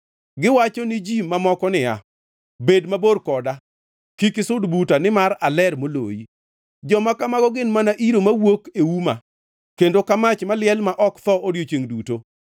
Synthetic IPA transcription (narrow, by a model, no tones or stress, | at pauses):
ɡɪwat͡ʃɔnɪd͡ʒimamɔkɔnɪa̰ | bedmaborkɔda | kikɪsʊdbutanɪmaɾalɛɾmolo̰jḭ | d͡ʒɔmakamaɡɔɡɪnmanaʔiɾomawokewuma | kendokamat͡ʃmalɪɛlmaʔɔkt̪ɔʔodjot͡ʃeŋduto